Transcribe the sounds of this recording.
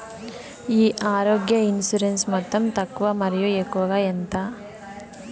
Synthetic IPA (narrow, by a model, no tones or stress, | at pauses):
iːʔaːɾoːɡjɐinsuɾensmɔt̪ːɐmt̪ɐkːuʋɐmɐɾɐjujekɔʋɡɐjent̪a